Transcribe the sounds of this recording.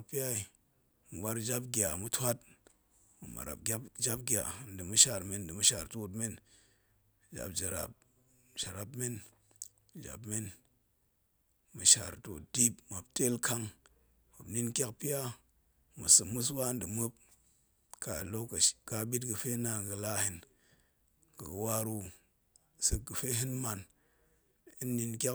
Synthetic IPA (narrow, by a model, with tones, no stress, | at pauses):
a˦kpi˦a˦i˨ | mu˨wa˦ɾd͡ʒa˦p̬̚ɡʲa˨mu˦tʰʷa˦t | mu˨ma̰˨ɾa̰˨p̚ɡʲa˦pd͡ʒa˦p̚ɡʲa̰˨n̩˦dɨ˨mu˦ʃa˨ɾme˨n˨dɨ˨mu˦ʃa˨ɾto˦tme˦n | d͡ʒa̰˨pd͡ʒa˨ɾa̰˨p̚ | d͡ʒa˨ɾa˨pme˦n˨ | d͡ʒa̰˨bme˦n | mu˨ʃa̰˨ɾto̰˨t̚di˦pma˨pte˦lkʰa˧ŋ | ma˨bni˦nkʲa˦k̚pi˦a˦ | mu˨sɨ˨mu˦s̬wa˦ndɨ˨mɨ˦p̚ | ka˨lo˦kkka˨ɓi˦t̬ɡɨ˨fe˦na˨ɡɨ˧la˦hi˨n | ɡɨ˨ɡɨ˨wa˦ɾu˦ | sɨ˨ɡɨ˨fe˦ɦi˦nma˨n | i˦nːi˧nkʲa˦